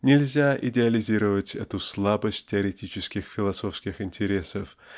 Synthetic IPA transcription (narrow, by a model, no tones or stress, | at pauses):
nʲɪlʲzʲaʔɪdʲɪɐlʲɪzʲiɾəvətʲɛ̰t̪ʊslˠabəsʲt̚ʲtʲːɪɐɾʲɪtʲit͡ɕɪskʲɪxfʲɪlˠɐso̞fskʲɪxɪnʲtʲɪɾʲe̞səf